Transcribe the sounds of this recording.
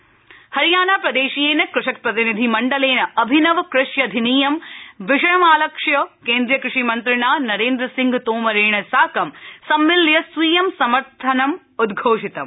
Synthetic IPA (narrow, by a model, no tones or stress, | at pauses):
hɐɾijaːnaːpɾɐd̪eːʃijeːnɐkɾʊʂɐk̚pɾɐt̪inid̪ʱimɐɳɖɐleːnɐɐbʱinɐʋkɾɪʃjɐd̪ʱiniːjɐmʋɪʂɐjɐmaːlɐkʂjɐkeːnd̪ɾijɐkɾɪʂimɐnt̪ɾɪɳaːnɐɾeːnd̪ɾɐsiŋɡt̪oːmɐɾeːɳɐsaːkɐmsɐmːɪljɐsʋiːjɐmsɐmɐɾt̪ʰɐnɐm | ud̪ɡʱoːʂit̪ɐm